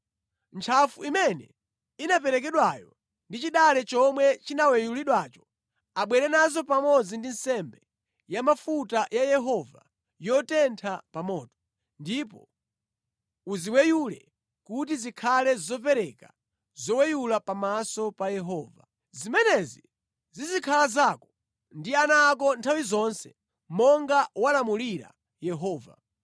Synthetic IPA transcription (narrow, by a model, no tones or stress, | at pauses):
nt͡ʃʰafuimɛnɛ | inap̬ɛɾɛk̬ɛɗwajɔ | ndit͡ʃiɗalɛt͡ʃɔmwɛt͡ʃinawɛjuliɗwaːt͡ʃɔ̥ | aɓwɛɾɛnazɔpamɔd͡zindinsɛmbɛ | jamafutajajɛɦɔva̰ | jɔtɛntʰapamɔːtɔ̥ | ndipɔ | uziwɛjulɛ | kut̬izikʰalɛzɔpɛɾɛka | zɔwɛjulapamasɔpajɛɦɔːva̰ | zimɛnɛzi | zizikʰalazakɔ̥ | ndianak̬ɔntʰawizɔnsɛ | mɔŋɡawalamuliɾa̰ | jɛɦɔːva̰